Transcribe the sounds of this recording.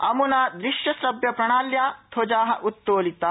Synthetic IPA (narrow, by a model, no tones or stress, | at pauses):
ɐmunaːd̪ɾiʃjɐsɾɐbjɐpɾɐɳaːljaːt̪ʰoːd͡ʒaːɦɐʔut̪ːoːlit̪aː